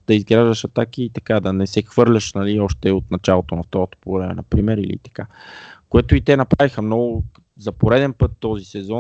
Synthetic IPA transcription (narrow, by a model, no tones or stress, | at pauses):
d̪̥ɐizɡɾaʒd̪ɐʃɐt̪ak̟iːt̪ɐkad̪ɐnɛsɛxvɤɾlʲɐʃnɐliɔʃt̪ɛot̪̚nɐt͡ʃalˠot̪onɐft̪ɔɾot̪o̥poɡvɾɛmɛ̰nɐpɾimɛɾḭlḭt̪ɐ̥kakoɛt̪ʊit̪ɛnɐpɾavixəmnɔɡʊ | zɐpoɾɛd̪ɛnpɤt̪ːɔzisɛzɔ